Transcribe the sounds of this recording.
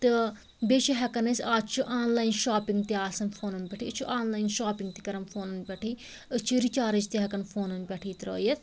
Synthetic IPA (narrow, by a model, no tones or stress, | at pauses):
t̪ɨ | bet͡ʃiɦɐkɐnesaːd͡ʒt͡ʃʰuʔaːnlaːinʃaːpɪŋɡt̪iaːsɐnfʰoːnɐnbʲɛʈʰit͡ʃʰuʔaːnlaːinʃaːpɪŋɡ̚t̪ikɐɾɐmfʰoːnɐnbʲɛːʈʰiː | ɨt͡ʃʰiɾit͡ʃaːɾɐd͡ʒt̪iɦɐkɐnfʰoːnɐnbɛːʈʰiːt̪ɾo̰ːjɐt̪